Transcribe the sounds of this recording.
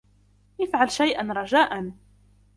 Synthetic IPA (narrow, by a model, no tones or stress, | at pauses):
jɪfʕalʃajʔanɾˤɑʒaːʔan